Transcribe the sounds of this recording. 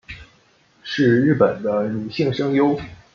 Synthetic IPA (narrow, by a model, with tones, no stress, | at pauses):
ʂɻ̩˥˧ɻɻ̩˥˩pə˨˩nd̪ə˦ny˨˩ɕi˥˩ŋʂɤ˥ŋjo˥ʊ